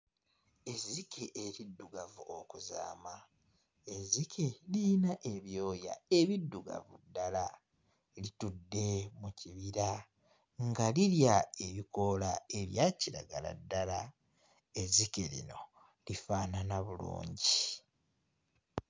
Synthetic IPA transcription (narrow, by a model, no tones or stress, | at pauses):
e̞zikeʔeɾidːuɡavuʔokuza̰ːma | ezikʰelinaʔeβjo̞ːja̰e̞βidːuɡa̰vṵdːala | litudːe̞muciβiɾa | ŋɡaliljae̞βiko̞lae̞βjaciɾa̰ɡala̰dːala | ezikelḭno̞ | lifaːnanaβulṵːɲɟi